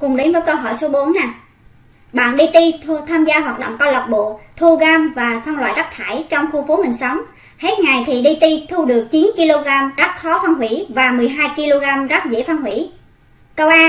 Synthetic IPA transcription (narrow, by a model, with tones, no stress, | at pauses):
kʊ˨˩ŋ͡mɗe˨˦nvəː˨˦jkə˧wɦɔ̰˧˩˨jso˨˦ɓo˨˦ənːaː˨˩ | ɓa̰ː˧˨nɗi˧t̪i˧t̪ʰaː˧mzaː˧ɦwaː˨˩t̚ɗo̰˧˨ŋ͡mkɔ˧wlə˨˩k͡p̚ɓo̰˧˨t̪ʰu˧ɣaː˧mvaː˨˩t̪ʰwa˧nlwa̰ː˧˨jza˦˥k̚t̪ʰaː˧˩jt͡ɕɔ˧wŋ͡mxu˧fu˨˦mï˨˩ŋ̟sə˨˦wŋ͡m | he˦˥t̚ŋa˨˩jt̪ʰi˨˩ɗi˧t̪i˧t̪ʰu˧ɗɨ˨˩ək̚t͡ɕi˨˦nki˧lo˧ɣaː˧mza˦˥k̚xɔ˨˦t̪ʰa˧nɦwḭ˧˥vaː˨˩mɨ˨˩əjɦaː˧jki˧lo˧ɣaː˧mza˦˥k̚zḭ˧˥fa˧nɦwḭ˧˩˨ | kə˧wʔaː˧